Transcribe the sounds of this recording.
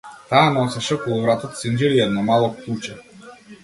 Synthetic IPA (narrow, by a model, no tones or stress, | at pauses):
t̪aːnɔsɛʃɛkɔlˠuvɾat̪ɔt̪sind͡ʒɛɾiɛd̪nɔmalˠɔkut͡ʃɛ